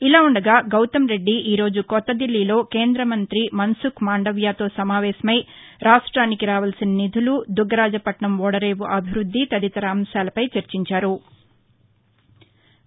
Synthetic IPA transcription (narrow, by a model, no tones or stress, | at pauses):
ilaːuɳɖɐɡaːɡɐwt̪ɐmɾe̞ɖːiʔiːɾo̞ːd͡ʒukɔt̪ːɐd̪ilːiːlo̞ːke̞ːnd̪ɾɐmɐnt̪ɾimɐnsukmaːɳɖɐʋjaːt̪o̞ːsɐmaːʋɛːsɐmɐj | ɾaːʂʈɾaːnikiɾaːʋɐlɐsinɐnid̪ʱulud̪uɡɐɾaːd͡ʒɐpɐʈɳɐmʋɔːɽɐɾeːʋuʔɐbʱiɾud̪ʱːit̪ɐd̪it̪ɐɾaːmsaːlɐpɐjt͡ʃɐɾt͡ʃiɲt͡ʃaːɾu